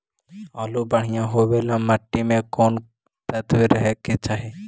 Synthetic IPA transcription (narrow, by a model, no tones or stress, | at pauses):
ɔlubəɽ̤ijãɦobelãməʈːimẽkon | t̪ət̪weɾəɦɛket͡ʃaɦe